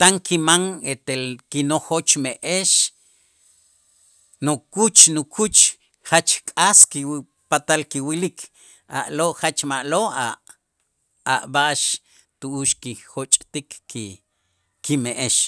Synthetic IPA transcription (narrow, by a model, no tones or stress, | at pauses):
t̪aŋkʰimaŋet̪elkinoχot͡ʃmeʔeʃ | nokut͡ʃnukʰut͡ʃ | χat͡ʃkʼaski | pat̪alkiwilikʰ | a̰ʔloʔχat͡ʃmaʔloʔa | a̰ʔbaʔʃ | t̪uʔuʃkixot͡ʃʼt̪ikːi | kimeʔeʃ